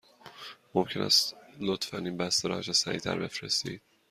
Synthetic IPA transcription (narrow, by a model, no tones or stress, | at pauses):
momcʰe̞nʔæ̰st̪lot̪fæninbæst̪eɾɒ̰d͡ʒesæɾiːt̪ʰæ̰ɾbe̞fɾe̞st̪iːd̪̥̚